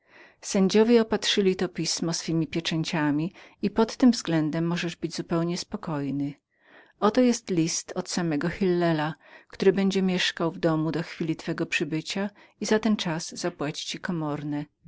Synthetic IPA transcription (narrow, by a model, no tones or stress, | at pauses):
sɛɲd͡ʑɔvʲjɛɔpat̪ʂɘlʲit̪ɔpʲismɔsfɘmʲipʲjɛt͡ʂɛɲt͡ɕamʲiipɔt̪ːɘmvzɡlɛnd̪ɛmːɔʐɛʐbɘd͡ʑzupɛwɲɛspɔkɔjnɘ | ɔt̪ɔjɛst̪lʲist̪ɔt̪samɛɡɔxilːɛlakt̪uɾɘbɛɲd͡ʑɛmʲjɛʂkawvd̪ɔmud̪ɔxfʲilʲit̪fɛɡɔpʂɘbɘt͡ɕa | izat̪ɛnt͡ʂaz̥z̥apwat͡ɕi̥t͡ɕikɔmɔɾnɛ